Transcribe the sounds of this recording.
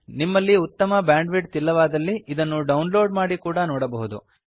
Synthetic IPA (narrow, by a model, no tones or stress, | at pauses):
nimːɐlːiut̪ːɐmɐbjaːɳɖʋiɖ̚t̪ilːɐʋaːd̪ɐlːiid̪ɐnːuɖɐwunlo̞ːɖmaːɽikuːɽɐnɔːɽɐbɐɦud̪ṵ